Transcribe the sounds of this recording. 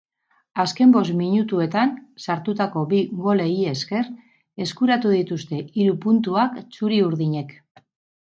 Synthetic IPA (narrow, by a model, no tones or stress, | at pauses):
aske̞mbo̞smiɲut̪ue̞t̪ansaɾt̪ut̪ako̞biɣo̞le̞ie̞ske̞r | e̞skuɾat̪uð̞it̪ust̪e̞ʔiɾupunt̪uakt͡suɾiuɾðiɲe̞k